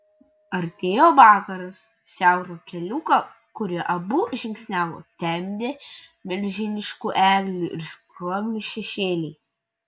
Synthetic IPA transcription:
ɐɾʲt̪ʲeːjoːʋɑːkɐɾɐs | sʲæˑʊɾoːkʲɛlʲuːkɐ | kʊɾʲɪʔɐbuʒʲɪŋʲksʲnʲæːʋo̰ːt̪ʲɛmʲd̪ʲe | mʲɛlʲʒʲɪnʲɪʃkuːʔæːɡlʲuʔɪɾskɾoɔmʲmʲɪʃʲɛʃʲeːlʲɛɪ

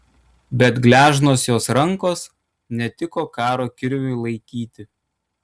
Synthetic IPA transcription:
bʲɛt̪ɡlʲæːʒnoːsjoːsɾɐŋkoːs | nʲɛt̪ʲɪkoːkɑːɾoːkʲɪɾʲʋʲʊɪlˠɐɪkʲiːt̪ʲɪ

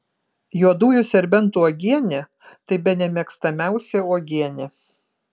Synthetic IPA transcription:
juɔd̪uːjʊsʲɛɾʲbʲɛnt̪uɔːɡʲiɛnʲɪ | t̪ɐɪbʲɛnʲɛmʲiɛkst̪ɐmʲæˑʊsʲɛɔːɡʲiɛnʲɪ

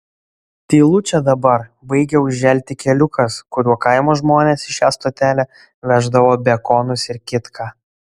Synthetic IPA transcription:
t̪ʲiːlˠʊt͡ʃʲɛd̪ɐbɐɾbɐɪɡʲɛʊʒʲʒʲɛlʲt̪ʲɪkʲɛlʲʊkɐskʊɾʲuɔkɐɪmoːʒmoːnʲesɪʃʲæːst̪oːt̪ʲæːlʲɛ | ʋʲæːʒd̪ɐʋoːbʲɛkɔːnʊsɪɾkʲɪt̪kʰɑː

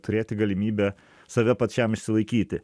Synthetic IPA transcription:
t̪ʊɾʲeːt̪ʲɪɡɐlʲɪmʲiːbʲɛ | sɐʋʲɛpɐt̪ʲt͡ʃʲɛmɪʃʲsʲɪlˠɐɪkʲiːt̪ʲɪ

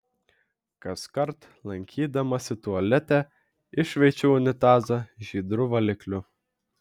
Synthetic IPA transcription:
kɐskɐɾt̪ | lˠɐŋʲkʲʰiːd̪ɐmɐsʲɪt̪ʊɐlʲɛt̪ʲɛ | ɪʃʲʋʲɛɪt͡ʃʲɛʊʊnʲɪt̪ɑːzɐʒʲiːd̪ɾʊʋɐlʲɪklʲʊ

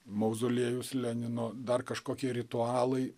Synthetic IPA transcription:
mɐʊzoːlʲiɛjʊslʲɛnʲɪnoːd̪ɐrkɐʃkoːkʲiɛɾʲɪt̪ʊɑːlˠɐɪ

